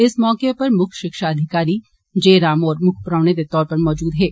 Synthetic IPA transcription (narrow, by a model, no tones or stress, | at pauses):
ɪsmɔːkepɐɾmʊkʰʃɪkʃaɐd̪ʱɪkaːɾi | d͡ʒeːɾaːmɔːɾmʊkʰpʊɾaːʋned̪et̪ɔːɾpɐɾmɔːd͡ʒuːd̪ɦɛː